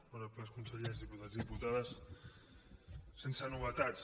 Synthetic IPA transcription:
oɾəpləskunsəʎezðiput̪azðiput̪aðəs | sensənuβət̪at̪t͡s

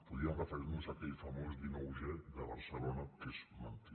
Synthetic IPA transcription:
puðiaŋrəfeɾnusakeʎfamozðinowʒeðəβəɾsəlonakesmant̪i

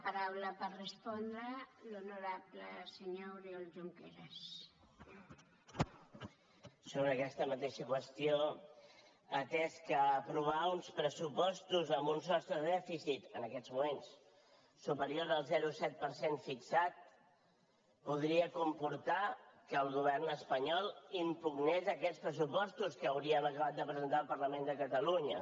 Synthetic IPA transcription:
paɾawləpəɾrəspɔnd̪ɾəlunuɾapləsəɲorjolʒuŋkeɾəs | soβ̞ɾəkɛst̪əmət̪eʃəkwəst̪ijo | ət̪ɛskəːpɾuβ̞aunspɾəsupɔst̪uzəmbunsɔst̪ɾəðɛfisit̪ənəkɛd̪d͡zmumensː | upəɾioɾðəlˠzɛɾusɛt̪̚pəɾsenfiksat̪̚ | puðɾiəkumpuɾt̪akəːlˠɣuβ̞ɛrnəspəɲɔlˠimpuɡnezəkɛt͡spɾəs̬upɔst̪uskəːwɾiəməkəβat̪̚d̪əpɾəzənt̪aəlˠpəɾləmend̪əkət̪əluɲə

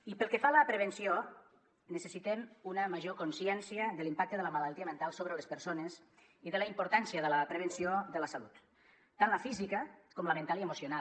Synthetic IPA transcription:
ipəlˠkəfaləpɾəβ̞ənsio | nəsəsit̪ɛmunəməʒokonsjɛnsiəðəlimpak̚t̪əðələmalalˠt̪iəmənt̪alˠsoβɾələspəɾsones | iðələimpoɾt̪ansiəðələpɾəβ̞ənsioðələsalut̪ | t̪ːanləfizikəkɔmləmənt̪alˠiəmusiona

